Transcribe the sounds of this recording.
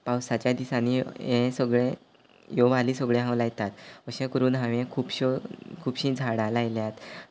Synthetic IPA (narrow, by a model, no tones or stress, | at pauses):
pawsat͡ɕjad̪isaniẽsəɡɭẽ | joʋaliːsəɡɭẽɦãwlajt̪at̪əɕẽkəɾuːnɦaʋẽkʰuːpɕokʰuːbɕĩd͡zʱaɽalajljat̪